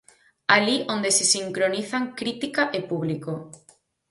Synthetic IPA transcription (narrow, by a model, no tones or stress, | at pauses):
aliʔond̪esesiŋkɾoniθaŋkɾit̪ikaʔepuβ̞liko